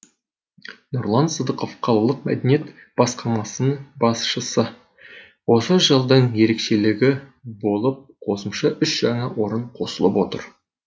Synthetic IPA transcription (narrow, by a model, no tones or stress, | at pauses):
noɾlˠɑnsəd̪əqo̞fqʰɑlˠɑlˠəq̚mæ̰d̪enije̞t̪ | b̥ɑsqɑmɑsənəbɑsʃəsə | wo̞səʒəlˠd̪əɴje̞ɾe̞kʃe̞lɪɡʲɪbo̞lˠəp̚qʰo̞səmʃɑʔʏsʒ̥ɑɴɑwʔo̞ɾəɴqʰo̞səlˠəpwo̞t̪ə̰ɾ